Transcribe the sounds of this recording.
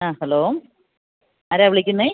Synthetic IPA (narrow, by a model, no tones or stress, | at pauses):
aːhɐloː | ɐːɾeɐʋiɭikʲːunːe